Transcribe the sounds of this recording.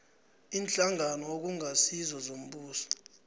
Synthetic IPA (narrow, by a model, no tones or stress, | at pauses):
iːnt͡ɬʼaŋanɔok̬uŋʱasizɔzom̩ɓuːsɔ̥